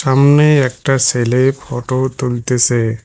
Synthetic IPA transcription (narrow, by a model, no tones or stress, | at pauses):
samneɛk̚ʈaselepʰɔʈot̪ult̪ɛsɛ